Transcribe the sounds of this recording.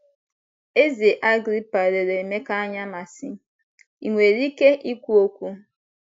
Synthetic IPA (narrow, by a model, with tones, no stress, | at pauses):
e˦ze˨ʔa˦ɡɾi˦pa˨ɾe˨ɾe˨me˦ka˦a˦ɲa˦ma˨si˦ | i˨ŋʷe˨ɾi˦ke˦ʔi˦kʷu˦o˦kʷu˦